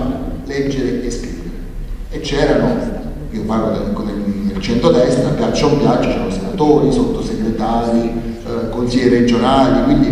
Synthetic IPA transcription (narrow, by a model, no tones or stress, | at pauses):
lɛd͡ʒːeɾeeskɾḭːveɾe | et͡ʃːɛːɾama | kepːarlod̪ŋkod̪ed̪elt͡ʃent̪ɾod̪ɛst̪ɾapjat͡ʃːaopjat͡ʃːat͡ʃɛoosenat̪oːɾisot̪ːoseɡɾet̪aːɾi | konsiʎːiɾed͡ʒonaːlikwind̪i